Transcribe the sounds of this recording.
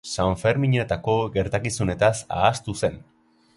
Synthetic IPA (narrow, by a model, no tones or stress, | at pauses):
saɱfe̞ɾmiɲe̞t̪ako̞ɣe̞ɾt̪akisune̞t̪asa̰ːst̪use̞n